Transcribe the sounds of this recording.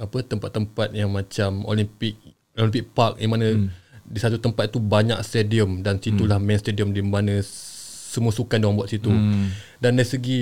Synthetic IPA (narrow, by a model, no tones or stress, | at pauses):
apət̪əmpat̪ːəmpat̪̚jaŋmãt͡ʃamo̰limpɪk̚ | olimpɪk̚park̚dimãnə̃disat̪ut̪əmpat̪̚t̪ubaɲa̰k̚st̪ediəmdansit̪ulahmɛ̃nst̪ediəmdimbanə̃ | səmuəsukandaaŋbuat̪̚sit̪u | danlaisəɡi